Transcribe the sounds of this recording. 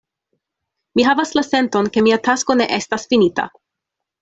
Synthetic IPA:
miɦavaslase̞nto̞nke̞miatasko̞ne̞̰ʔe̞stasfinita̰

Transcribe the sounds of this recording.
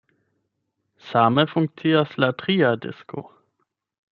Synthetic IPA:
samefuŋk̚t͡siaslatʁiadḛsko̰

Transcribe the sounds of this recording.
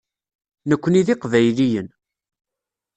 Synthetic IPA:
nəkʷːəniðɪqvæjlijən

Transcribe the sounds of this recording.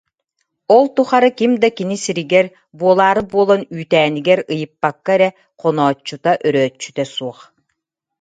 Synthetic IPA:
ɔlˠt̪uχaɾɯkimd̪akinisiɾiɡɛɾ | buɔlˠaːɾɯbuɔlˠɔnyːt̪æːniɡɛɾɯjɯpːakːaɛɾɛ | qɔnɔːt͡ʃːut̪aʔœɾœːt͡ʃːyt̪œsuɔχ

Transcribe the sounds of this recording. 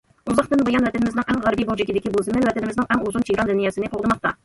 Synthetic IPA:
ʊzɑqt̪ɪnbojɑnvæt̪enɪmɪznɪŋʔæŋʁæɾbijbolˠʒekʲed̪ekʲebolˠsəmenvæt̪enɪmɪznɪŋʔæŋozʊnʰejɾɑnd̪ɪnijɛsɪneqʰolˠd̪əmɑq̚t̪ɑ̰

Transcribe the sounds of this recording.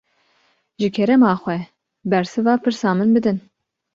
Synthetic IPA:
ʒɨkʰɛɾɛmɑːxʷɛ | bɛɾsɨvɑːpʰɨɾsɑːmɨnbɨd̪ɨn

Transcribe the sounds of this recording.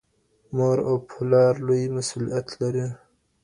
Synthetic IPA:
moɾopʰulɑɾlojmasulijat̪ʰlaɾi

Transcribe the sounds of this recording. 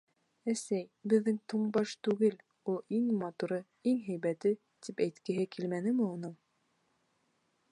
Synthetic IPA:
æsæjbɘ̆ðːɘŋt̪uɴbɑʃt̪ʉɡɘl | ulˠiŋmɑt̪uɾɤ | iŋɦæjβæt̪ɘ | t̪ipæjt̪kɘ̆ɦɘkilmænɘ̆mɘunɤɴ

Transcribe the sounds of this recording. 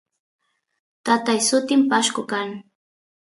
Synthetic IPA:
t̪at̪ajsʊt̪ɪmpaʃkʊkaŋ

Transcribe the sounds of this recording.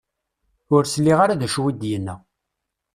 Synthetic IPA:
ʊɾslːiʁaɾaðæʃwid̪jənːæ

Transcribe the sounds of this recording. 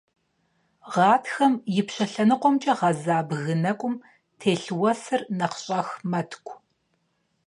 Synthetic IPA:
ʁɑːtxɐmjɪpɕɐɬɐnɨqʷɔmt͡ʃʼɐʁɐzaːbɣɨnɐkʷʼʊm | tʰeːɬwɐsɨrnɐqɕʼɐxmɐtʰkʷʰʼ

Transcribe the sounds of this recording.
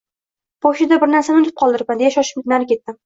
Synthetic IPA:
b̥oʃɪd̪abɪɾnaɾsanɪʊt̪ʰɪ̥p̚qʰɒlˠd̪ɪɾpand̪ejaʃɒʃɪ̥p̚ʲɪt̪naɾɪkʲe̞t̪ːɪm

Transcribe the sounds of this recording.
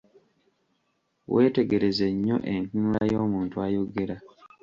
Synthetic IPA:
weːte̞ɡe̞ɾe̞zeɲːo̞̰ʔenkuːlajo̞ːmuːntuajoɡe̞ɾa

